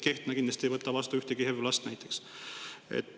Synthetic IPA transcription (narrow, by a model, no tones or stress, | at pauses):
ke̞ht̪nɑkinlɑst̪ʲiejvɤt̪ːˑɑvɑst̪uyht̪eɡihevlɑst̪næjt̪ːˑe̞ks | ḛt̪ː